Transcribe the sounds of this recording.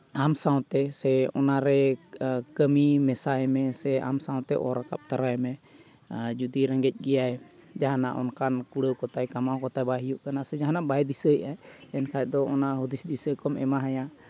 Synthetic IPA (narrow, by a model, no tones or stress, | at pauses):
amsãw̃t̪ɛsɛɔ̰naɾɛ | kəmimɛsaɦɛmɛsɛa̰msãw̃t̪ɛʔɔ̰ɾaka̰p̚t̪aɾaɦɛmɛ | d͡ʒud̪iɾɛ̃ŋɡɛc̚ˀɡɛjaɛ | d͡ʒaɦana̰ʔɔ̰nkankuɽəwkɔt̪ajkamakɔt̪ajbaɦijuʔkanasɛd͡ʒaɦanaʔbajd̪isəjaɛnkʰaɛd̪ɔɔnaʔɦud̪isd̪isəkɔmɛmaɦaja